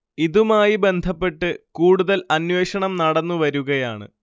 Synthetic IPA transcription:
iðumaːjibe̞nd̪ʱɐpːe̞ʈːɨkuːɽuðɐlɐnweːɕɐɳɐmnɐɽɐnːuʋɐɾuɣɐjaːɳɨ̰

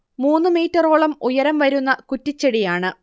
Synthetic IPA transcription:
muːnːɨmiːtːɐroːɭɐmujɐɾɐmʋɐɾunːɐkutːit͡ɕːeɽijaːɳɨ

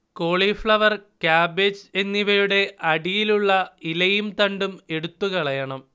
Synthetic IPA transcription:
ko̞ːɭifɭɐʋɐrkaːbed͡ʑe̞nːiʋɐjuɽe̞ʔɐɽijiluɭːɐilɐjumt̪ɐɳɖume̞ɽut̪ːuɣɐɭɐjɐɳɐm

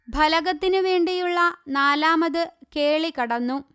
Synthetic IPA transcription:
bʱɐlɐɣɐt̪ːinɨʋe̞ːɳɖijuɭːɐnaːlaːmɐðɨke̞ːɭikːɐɽɐnːu

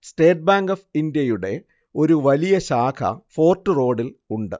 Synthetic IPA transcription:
sʈe̞ːʈ̚baːŋɡɐfind̪jɐjuɽe̞ | o̞ɾuʋɐlijɐɕaːkʰɐ̰fo̞ːrʈːɨro̞ːɽiluɳɖɨ

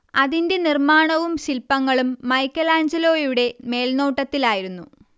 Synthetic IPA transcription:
ɐðinde̞nirmaːɳɐʋumɕilpːɐŋːɐɭumːɐjkːɐlaːɲd͡ʑɐlo̞ːjuɽe̞me̞ːlno̞ːʈːɐt̪ːilaːjiɾunːu

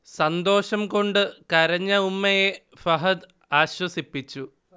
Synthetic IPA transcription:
sɐnd̪o̞ːɕɐmko̞ɳɖɨkɐɾɐɲːɐumːɐje | fɐɦɐd̪ | aːɕwɐsipːit͡ɕːu

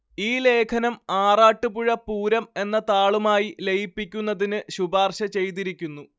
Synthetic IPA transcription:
iːle̞ːkʰɐnɐmaːraːʈːɨpuɻɐpuːɾɐme̞nːɐt̪aːɭumaːjile̞jipːikʲːunːɐðinɨɕubaːrɕɐt͡ɕe̞jt̪̬iɾikʲːunːu

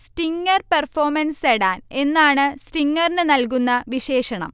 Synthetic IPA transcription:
sʈiŋːɐrpɐrfoːmɐnseɽaːne̞nːaːɳɨsʈiŋːɐrnɨnɐlkunːɐʋiɕe̞ːʂɐɳɐ̰m

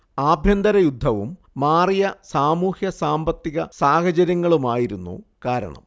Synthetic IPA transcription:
aːbʱjɐnd̪ɐɾɐjud̪ʱːɐʋumː | aːrijɐsaːmuːhjɐsaːmbɐt̪ːiɣɐsaːhɐd͡ʑɐɾjɐŋːɐɭumaːjiɾunːṵkaːɾɐ̰ɳɐ̰m

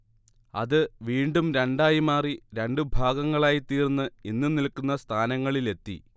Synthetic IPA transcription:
ɐ̰ðɨʋiːɳɖumɾeɳɖaːjimaːriɾeɳɖɨbʱaːɡɐŋːɐɭaːjit̪iːrnːɨinːɨnilkːunːɐst̪ʰaːnɐŋːɐɭile̞t̪ːḭ

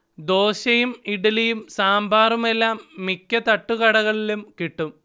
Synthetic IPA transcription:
d̪o̞ːɕɐjumiɽɐlɐjumsaːmbʱaːrume̞lːaːmːikʲːɐt̪ɐʈːuɣɐɽɐɣɐɭilumkiʈːum

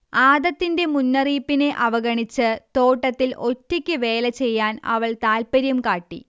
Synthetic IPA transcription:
aːd̪ɐt̪ːinde̞munːɐriːpːine̞ʔɐʋɐɡɐɳit͡ɕːɨt̪o̞ːʈːɐt̪ːilo̞tːikʲːɨʋe̞ːlɐt͡ɕe̞jːaːnɐ̰ʋɐɭt̪aːlpɐɾjɐmkaːʈːḭ

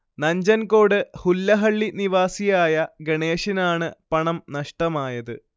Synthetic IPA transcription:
nɐɲd͡ʑɐnko̞ːɽɨhulːɐɦɐɭːiniʋaːsijaːjɐɡeɳeːʂinaːɳɨpɐɳɐmnɐʂʈɐmaːjɐðɨ

